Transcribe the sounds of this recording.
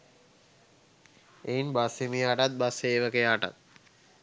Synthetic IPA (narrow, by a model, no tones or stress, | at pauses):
ejnbasemijaʈat̪̚baseːʋəkejaːʈa̰t̪̚